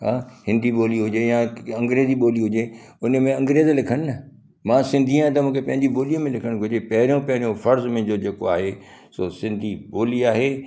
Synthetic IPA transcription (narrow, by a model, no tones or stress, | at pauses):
ɦãːhɪ̃nd̪ʱiɓoːliɦʊd͡ʑejãɐ̃ŋɡɾeːziɓoːliɦʊd͡ʑe | ʊnə̆mẽɐ̃ŋɡɾeːzlɪkʰəɽ̃nɐ | mãːsɪ̃nd̪ʱiãt̪ɐmũːkʰepɐ̃ɦɪ̃ɲd͡ʑiboːliə̃mẽlɪkʰəɽ̃ɡʱʊd͡ʑepɐɦɪɾijõpɐɦɪɾijõfɐɾzmẽd͡ʑoːd͡ʑeːkoaːɦe | sosɪ̃nd̪ʱiɓoːliaːɦeː